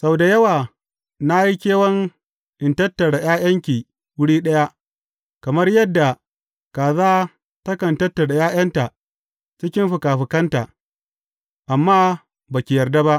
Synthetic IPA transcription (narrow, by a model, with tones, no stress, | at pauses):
sa˦wda˨jɐ˦waː˨ | na˦ji˦kʲeː˦wɐ˦ŋ | ʔɪ˨ntɐ˦tːɐ˨ɽa˨j̰aː˦jɐ˦ŋkʲiː˨ | wʊ˦ɽiː˦ɗɐ˦ja˦ʔ | kɐ˨mɐ˦rjɐ˦dːa˨ | kaː˨zaː˦ | tɐ˦kɐ˨ntɐ˦tːa˨da˨jaː˦j̰ɐ˦nta˨ʔ | t͡ʃɪ˦kʲɪ˦mɸʊ˨kaː˨ɸɪ˨kɐ˦nta˨ʔ | ʔa˨mːaː˦ | baː˨kʲɪ˨jɐ˨rda˦ba˦ʔ